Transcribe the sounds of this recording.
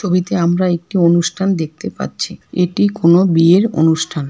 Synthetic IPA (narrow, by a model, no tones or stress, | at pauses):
t͡ɕʰobit̪eamɾaek̚ʈionuʃʈʰand̪ek̚t̪epa̰ɾɕʰieʈikonobieɾo̰nuʃʈʰan